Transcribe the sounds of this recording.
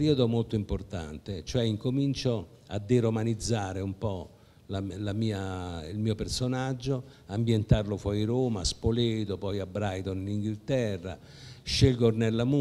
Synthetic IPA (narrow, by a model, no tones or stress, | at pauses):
ɾiod̪omolt̪oimport̪a̰nt̪et͡ʃoɛiŋkomint͡ʃo | a̰d̪ːeɾomanid̪zːaːɾeumpɔ | lalamiːailmiːopersonad͡ʒːo | ambjent̪arlofwɔjɾoːmaspolet̪opɔjabːɾajt̪onliŋɡilt̪ɛrːa̰ | ʃelɡornɛlːamu